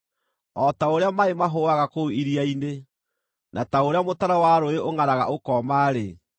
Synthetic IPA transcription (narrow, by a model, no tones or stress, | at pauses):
ɔtaoɾeamaemaɦowaɣakouiɾiaine | nʔataoɾeamotaɾawaɾoeʔoŋanaɣa̰ʔokɔmaɾe